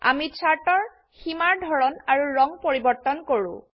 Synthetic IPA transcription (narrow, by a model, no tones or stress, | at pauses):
a̰mit͡ʃʰaɹtɔɹ | ximaɹdʱɔɹɔnaɹuɹɔŋpoɹibɔɹt̪ːɔnkoɹṵ̃